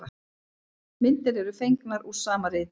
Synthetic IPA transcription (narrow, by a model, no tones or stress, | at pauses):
a | mɪnt̪ɪɾɛɾʏfejŋknaɾusaːmaɾɪːt